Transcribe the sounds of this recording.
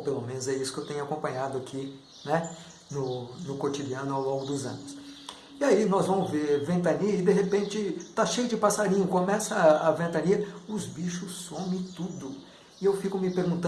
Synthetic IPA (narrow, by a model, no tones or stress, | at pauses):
pelomẽnʊzɛisʊ̥kewt̪ẽɲʊakõmpɐ̃ɲad̪ʊakʰi | nɛ | nʊnʊkot͡ʃid͡ʒiɐ̃nʊawlõŋɡʊd̪ʊzɐ̰̃nʊs | ɪainɔzvɐ̃mʊzveɾvẽnt̪̬ɐ̃niɐɪd̪eɦepẽnt͡ʃɪt̪aʃejʊd͡ʒɪpasaɾĩɲʊkomɛsɐavẽnt̪ɐ̃niɐʊzbiʃʊsːõmẽt̪ud̪ʊ | ɪewfikʊmɪpeɾɡũnt̪ɐ̃